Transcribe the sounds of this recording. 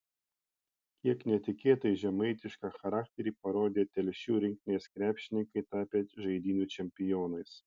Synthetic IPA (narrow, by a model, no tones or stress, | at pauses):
kʲiɛknʲɛt̪ʲɪkʲeːt̪ɐɪʒʲɛmɐɪt̪ʲɪʃkɑːxɐɾɑːk̚t̪ʲɛɾʲiːpɐɾoːd̪ʲeːt̪ʲɛlʲʃʲuːɾʲɪŋʲk̚ʲt̪ʲɪnʲeːskɾʲæːpʲʃʲɪnʲɪŋkɐɪt̪ɑːpʲeʒɐɪd̪ʲiːnʲuːˑt͡ʃʲɛmʲpʲɪjoːnɐɪs